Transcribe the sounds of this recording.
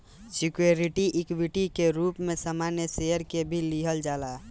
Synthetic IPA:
sikjeɾiʈiʔikwiʈikeɾupmesəmanjəsejəɾkebʱiliɦəld͡ʒala

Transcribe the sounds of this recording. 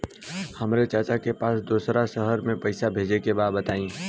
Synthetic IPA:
həmɾet͡ʃaːt͡ʃakepaːsd̪uːsɾasəɦəɾmẽpəɪsabʱeːd͡ʒekebaːd̪bət̪aːĩː

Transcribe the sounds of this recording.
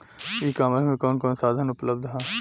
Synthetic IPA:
iːkaːməɾmẽkɔːnkɔːnsaːd̪ʱənʊpləb̚d̪ɦɛ̃ː

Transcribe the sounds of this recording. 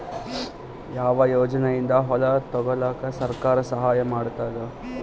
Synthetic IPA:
jaːʋɐjoːd͡ʒɐnejind̪ɐɦɔlɐt̪ɔɡɔlaːkɐsɐɾkaːɾɐsɐɦaːjɐmaːɽt̪aːd̪ɐ

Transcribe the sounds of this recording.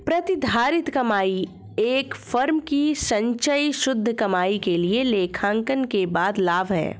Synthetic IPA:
pɾɐt̪ɪd̪ʱaːɾɪt̪kɐmaːi | eːkfɐɾmkisɐ̃ɲt͡ʃəiʃʊd̪ʱːkɐmaːikelieleːkʰãːŋkənkebaːd̪laːʋɦɛ̰ː

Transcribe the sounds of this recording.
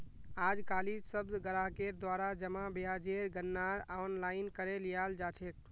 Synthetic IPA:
ad͡ʒkaːlid͡ʒsəbd̪ɡəɾaɦkeɾd̪waɾad͡ʒəmabijad͡ʒeɾɡənːaɾanlaɪnkəɾelijald͡ʒat͡ʃʰek̚

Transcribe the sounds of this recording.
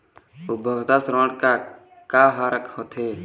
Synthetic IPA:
ubʱəɡt̪asɾoːɳɖkaː | kaːɦaːɾəkhot̪ʰeː

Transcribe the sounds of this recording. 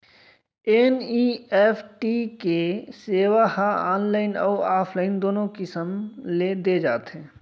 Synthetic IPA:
eːniːɛːpʰʈikeseːʋahaa̰ːnlaːɪnɔːaːpʰlaːɪnd̪oːnõkɪsəmled̪ed͡ʒaːt̪ɦɛ̃ː

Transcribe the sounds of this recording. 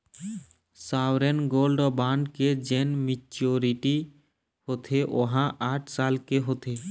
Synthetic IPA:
sawɾenɡolɖɔbaɳɖked͡ʒenmit͡ʃoɾiʈi | hot̪ʰeʔoɦãʔaʈʰsalkeɦot̪ʰe

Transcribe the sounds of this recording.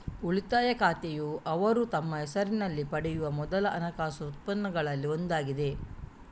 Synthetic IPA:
uɭit̪aːjɐkaːt̪ejuʔɐʋɐɾut̪ɐmːɐɦɛsɐɾinɐlːipɐɽɛjuʋɐmɔd̪ɐlɐʔɐnɐkaːsɐut̪̚pɐnːɐɡɐɭɐlːiond̪aːɡid̪e̞

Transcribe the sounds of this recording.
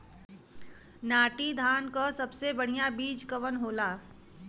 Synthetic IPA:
naːʈid̪ʱaːnkasɐbsebəɽ̤ijabiːd͡ʒkəʋənɦoːlaː

